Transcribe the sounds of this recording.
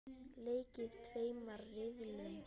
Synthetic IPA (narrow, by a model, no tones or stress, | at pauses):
leːjcɪð̥t̪ʰveːjmaɾːɪvlʏn